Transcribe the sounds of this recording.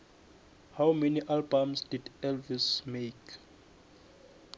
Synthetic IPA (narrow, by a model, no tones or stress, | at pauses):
hawmɛniʔalbãmsd̥idɛlvismek